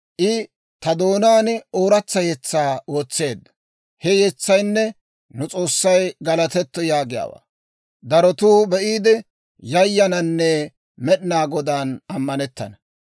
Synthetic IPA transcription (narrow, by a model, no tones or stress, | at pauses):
ʔɪ | t̪ɐd̪o̞ːnaːno̞ːɾɐt͡sːɐjɛt͡sːaːo̞ːt͡sːe̞ːd̪ːɐ̥ | hɛjɛt͡sːɐjnːɛ | nʊt͡sʼo̞ːsːɐjɡɐlɐt̪ɛt̪ːɔjaːɡɪja̰ːwa̰ː | d̪ɐɾɔt̪uːbɛʔiːd̪ɛ | jɐjːɐnɐnːɛ | mɛɗɪnaːɡɔd̪aːnɐmːɐnɛt̪ːɐ̰nɐ